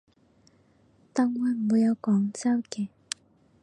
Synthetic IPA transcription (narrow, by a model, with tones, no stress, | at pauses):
t̪a˧˥ŋwa˧˥m̩˨uː˨˧˥jɐ˨˧wkɔː˨˦ŋt͡sa˥wkɛː˨˩˦